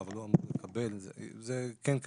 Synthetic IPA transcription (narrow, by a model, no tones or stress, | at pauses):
valːoamuʁləkʰabɛlzzɛkɛnk